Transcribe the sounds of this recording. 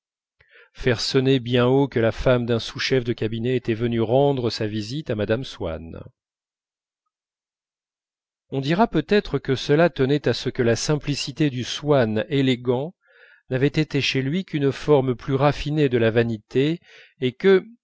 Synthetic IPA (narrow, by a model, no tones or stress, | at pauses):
fɛʁsɔnebjɛ̃okəlafamd̪ɛ̃suʃɛfd̪əkʲabinɛet̪ɛvənyʁɑ̃d̪ʁəsavizit̪amad̪amswa̰n | ɔ̃d̪iʁapøt̪ɛt̪χəkəsəlat̪ənɛt̪asəkəlasɛ̃plisit̪ed̪yswaneleɡɑ̃ | navɛt̪et̪eʃelɥikʲʰynfɔʁmplyʁafined̪əlavanit̪eː | kə